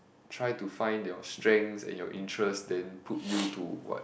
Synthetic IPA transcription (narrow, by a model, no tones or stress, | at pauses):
tʰɹajtufãj̃ndjɔstɹɛ̃ŋsɛ̰̃njɔʔĩntʰɹəsdɛ̃npʰut̚jutṵwɔ̰t